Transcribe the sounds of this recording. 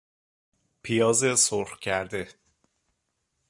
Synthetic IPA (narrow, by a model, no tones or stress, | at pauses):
pʰijɒːzesoɾxcʰæɾd̪e